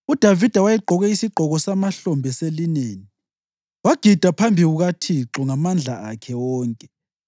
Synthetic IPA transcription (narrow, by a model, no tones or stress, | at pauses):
ud̥ʱavid̥ʱawajɛɡ͡ǃʱɔɣɛisiɡ͡ǃʱɔɣɔsamaɬɔmbʱɛselineːni | waɡ̥ʱid̥ʱapʰambʱiɣuɣatʰiǁɔŋamand͡ɮʱaakʰɛwɔːŋkʼɛ